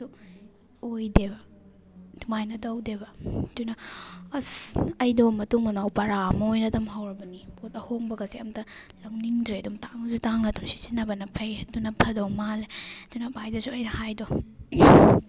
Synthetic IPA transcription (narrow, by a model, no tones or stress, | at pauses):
u | ojdebɐ | d̥umajnɐtɐwdebɐdujnɐɐsɐjdomɐtuŋmɐnawpɐɾamɐojnɐdɐmɦawɾɐbɐnipʰotɐhoŋbɐɡɐseɐmtɐlɐŋniŋdɾeɐdumtaŋsutaŋnɐdumsi̥sinɐbɐnɐpʰejdunɐpʰɐdowmaled̥ujnɐbajdɐsuɐjnɐhajdo